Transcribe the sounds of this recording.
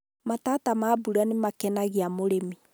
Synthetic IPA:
mataːtamaːbuɾanemakɛnaɣeamoɾemi

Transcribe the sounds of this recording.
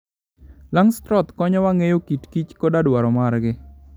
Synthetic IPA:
laŋst̪ɾɔt̪kɔɲɔwaŋejokitkit͡ʃkɔdadwaɾɔmarɡɪ

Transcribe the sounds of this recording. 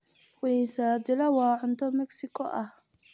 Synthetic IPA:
fʊinsaːd̪ɪlɐwɑːʕʊnt̪ʰɔmɛksɪkʰɔ̰ʔɐh

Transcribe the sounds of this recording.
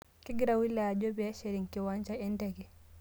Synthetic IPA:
kiɡiɾawilad͡ʒɔbɛʃeɾiŋkiwaɲd͡ʒaɛndɛɡɛ

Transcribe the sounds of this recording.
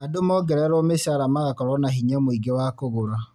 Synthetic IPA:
adomɔɡɛɾɛɾɔmeʃaɾamaɣakɔɾɔnaɦiɲɛmoiɡewaːkoɣoɾa

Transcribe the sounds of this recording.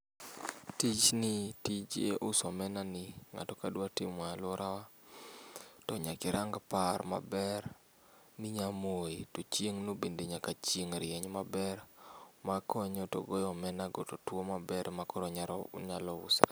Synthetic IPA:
tit͡ʃnɪtid͡ʒḛʔʊsɔmɛnanɪŋa̰tɔkadwatɪmwalɔɾawa | tɔɲakɪɾaŋɡpaɾma̰bɛɾ | nɪɲamoetot͡ʃjeŋnobendeɲakat͡ʃeŋɾɪjɛɲmabɛɾmakʰɔɲɔto̰ɡojɔmɛnaɡototwomabɛɾmakɔɾɔɲaɾɔ̰ʊ̰ɲalɔʊ̰sa̰

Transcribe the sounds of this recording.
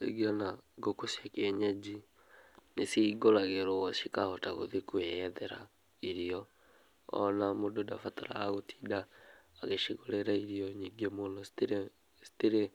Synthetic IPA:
ḛɡianaɡokosakɛɲad͡ʒi | nesiɡoɾaɣeɾoɔʃikahɔtaɣo̰ðekuɛðɛɾa | iɾiɔ | ɔ̰namododafataɾa̰aɣotʰi̥ːdaː | ɣeʃiɣoɾeɾaiɾiɔɲiːɡemonɔstɾ | si̥teɾe

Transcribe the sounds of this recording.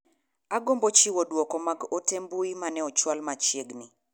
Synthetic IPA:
aɡombɔt͡ʃiwodwɔkɔmaɡotembuimanɛɔt͡ʃwalmat͡ʃjeɡni

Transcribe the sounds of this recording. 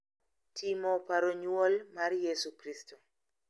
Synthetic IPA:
tʰimopaɾoɲwolmarjesukɾisto

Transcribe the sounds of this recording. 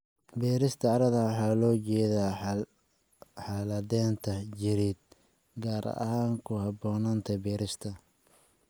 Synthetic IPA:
bɛːɾɪst̪ʰɐɑɾɐðɐwħaːlɔːt͡ʃɛːðaː | ħɑːlɐðɛːnt̪ʰɐt͡ʃɪɾiːd̪̚ | ɡaːɾʔɐ̰ɐ̰haːŋkʰʊhɑbɔːnaːnt̪ʰɐbɛːɾɪst̪ʰɐ

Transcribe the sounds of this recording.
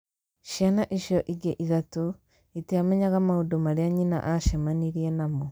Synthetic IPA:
ʃjanaʔiʃɔʔiɡeʔiðato | iteamɛɲaɣamahudomaɾeaɲina̰ʔaʃɛmaniɾienamo

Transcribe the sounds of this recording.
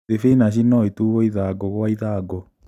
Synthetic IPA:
efenaɕ̬inɔituɣɔiðaɡɔɣwaiðaːɡɔ

